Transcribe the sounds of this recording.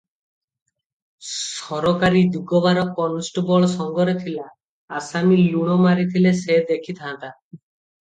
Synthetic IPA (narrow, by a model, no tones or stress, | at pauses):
ssɔɾɔkaɾid̪uɡɔβaɾɔkɔnsʈbɔɭsɔŋɡɔɾet̪ʰilaː | samiljuɽ̃omaɾit̪ʰilesed̪ekʰit̪ʰãt̪a